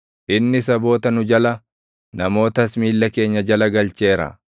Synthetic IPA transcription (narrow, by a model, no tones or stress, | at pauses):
ʔɪnːɪs̬ɐbo̞ːt̪ɐnʊd͡ʒɐlɐ | nɐmo̞ːt̪ɐsmiːlːɐke̞ːɲːɐd͡ʒɐlɐɡɐlt͡ʃe̞ːɾɐ̰